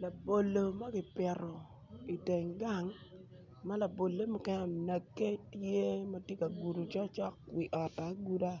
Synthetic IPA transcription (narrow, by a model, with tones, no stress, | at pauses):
la˨bo˨lo˨ma˦ɡɪ˨pɛ˨ɾɔ˨ | i˨te˨ŋɡa˦˨ŋ | ma˦la˨bo˨le˦mʊ˨kɛ˦nɔ˦˨na˨kːe˦tje˦ma˦tje˦ka˨ɡu˨ɾu˨t͡ʃɔ˦t͡ʃɔ˦kwi˨ʔɔ˨ta˨˦ɡu˦da˦